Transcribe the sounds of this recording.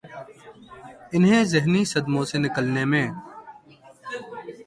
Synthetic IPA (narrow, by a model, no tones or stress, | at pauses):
ɪnɦẽːzɪɦniːsəd̪mõːseːnɪkəlneːmẽː